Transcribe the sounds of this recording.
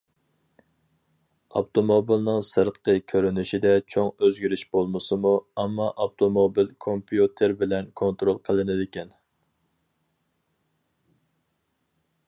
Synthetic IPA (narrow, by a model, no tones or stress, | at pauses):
ɑ̰pt̪ʰomobilnɨŋsɨɾqqəkʲʰøɾynyʃid̪ɛt͡ʃʰoŋøzɡʲyɾyʃbolˠmɨsɨmuɛmːɑʔɑft̪ʰomobilkʰompʰjut̪ʰeɾbɪlɛnkʰont̪ɾolˠqʰəlˠɨnɪd̪ɪkʲɛn